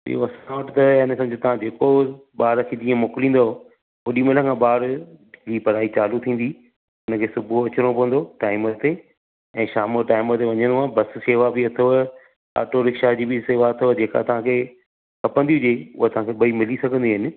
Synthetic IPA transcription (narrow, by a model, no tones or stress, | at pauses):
ɪ̰jo̰ɐsãʋəʈɪt̪ɐɦɪnsɐmd͡ʑot̪ɐʋ̤ãd͡ʑeːkoɓaːɾkʰed͡ʑĩːə̃moːkɪlĩːn̆d̪o | oɗimeləkʰãɓaːɾd͡ʑiːpɐɾaːit͡ɕaːlut̪ʰĩːn̆d̪i | ʊnəkʰeːsʊbʱuɐt͡ɕɪɾ̃õpɐʋə̃nd̪oʈaːɪmət̪e | ɛ̃ːʃaːmoʈaːɪmət̪eʋɐɲə̃nd̪oãːbɐsseːʋabɪɐt̪ʰoɦ | a̰ːʈoɾɪkʃad͡ʑiːbɪseːʋaɐt̪ʰod͡ʑeːka̰t̪ɐʋ̤ãkʰeː | kʰɐpənd̪iɦʊd͡ʑeʊ̰ɦot̪ɐʋ̤ãkʰeɓɐimɪlisɐɡʱə̃nd̪iɦɪnɪ̆